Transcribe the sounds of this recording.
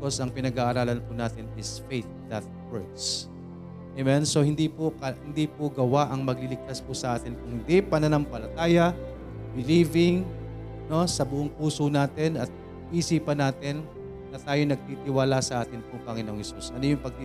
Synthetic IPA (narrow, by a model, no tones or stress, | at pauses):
ko̞sɐŋpɪnɐɡaːʔɐɾaːlɐnpʊnaːt̪ɪnɪsfejt̪̚d̪ɐt̪̚wɛɹd̪s | ʔɛmɛnsohɪnd̪ipokɐhɪnd̪ipʊɡɐwaʔɐŋmɐɡlilɪɡ̚t̪aspʊsɐʔaːt̪ɪnkʊŋhɪnd̪ipɐnɐnɐmpɐlɐt̪aːjɐ | bɪlivɪŋ | no̞sɐbʊʔoŋpuːsonaːt̪ɪnɐt̪̚ | ʔiːsipɐnaːt̪ɪnː | ɐt̪aːjonɐɡ̚t̪iːt̪ɪwaːlasɐʔaːt̪ɪnpʊŋpɐɡɪno̞ŋhɛsusʔɐnojʊŋpɐɡ̚t̪i